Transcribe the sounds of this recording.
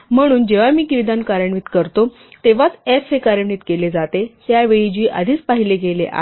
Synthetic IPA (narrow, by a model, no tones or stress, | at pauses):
m̤əɽ̃uːnd͡ʑeʋamiːkiʋid̪ankaɾjəiːt̪kəɾt̪o | t̪eʋat͡sesekaɾjəɳiːt̪keled͡zat̪et̪jaʋeɭid͡ʑiːʔa̰d̪ʱiːt͡spaɦilekelḛʔa̰